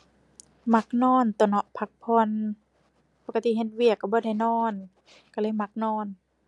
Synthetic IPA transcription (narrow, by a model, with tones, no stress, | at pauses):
ma˧˥k̚nɔː˧˥˨nt̪u˧˩˨nɔ˧ʔpʰa˧˥k̚pʰɔː˧˥˨n | po˧ka˧t̪i˧˨ɦe˧t̪̚wi˧˩əkːa˧˩bɔː˧˦da˧˩jnɔː˧˥˩n | ka˧˩lɤ˧˥˨jma˧˦k̚nɔː˧˥˨n